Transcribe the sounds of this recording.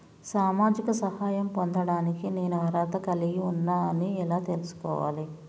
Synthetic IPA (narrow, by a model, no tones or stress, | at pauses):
saːmaːd͡ʒikɐsɐhaːjɐmpond̪ɐɽaːnikine̞ːnuɦɐɾaːd̪ɐkɐliɡiunːaːɐniɛlaːt̪e̞lusu̥kɔ̰ːʋa̰ːli